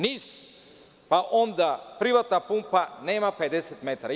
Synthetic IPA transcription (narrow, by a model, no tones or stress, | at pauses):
nis | paʔɔnd̪apɾivat̪napumpanɛmapɛd̪ɛsɛt̪mɛt̪aɾa